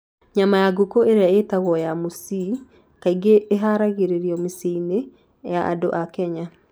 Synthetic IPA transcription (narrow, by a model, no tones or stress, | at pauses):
ɲamajaɡokoeɾeaetaɣwɔjamosi | kaiɡeʔːɦaɾaɣeɾeɾjɔmiseine | jaʔa̰do̰ʔakɛɲa